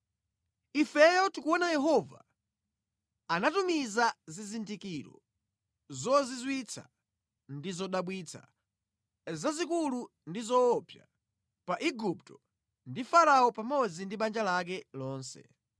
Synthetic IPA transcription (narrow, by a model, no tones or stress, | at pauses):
ifɛjɔtukuɔnajɛɦɔva̰ | anatumizazizindikiɾɔ̰ | zɔzizwit͡sʰa̰ | ndizɔɗaɓwit͡sʰa̰ | zazikulu | ndizɔːpja̰ | paʔiɡup̚tɔ | ndifaɾaɔpamɔd͡zindiɓand͡ʒalak̬ɛlɔːnsɛ̰